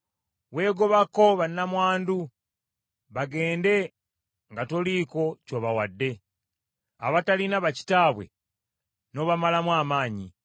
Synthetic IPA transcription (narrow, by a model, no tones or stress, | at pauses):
we̞ːɡo̞βako̞βanːamwaːndu | βaɡe̞ːnde̞ | ŋɡatoliːko̞coβawadːe̞ | a̰βatalinaβaci̥taːβwe̞̰ | no̞βamalamwaːmaːɲi